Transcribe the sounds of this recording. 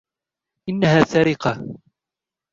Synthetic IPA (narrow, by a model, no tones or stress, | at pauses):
ʔɪnːahaːsaɾɪqɑ